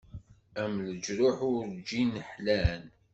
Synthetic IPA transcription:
æmləd͡ʒɾʊħʊɾd͡ʒinəħlæn

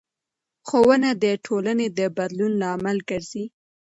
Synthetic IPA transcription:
xowənad̪əʈʰolaned̪əbad̪lunlɑːmalɡəɾz̥i

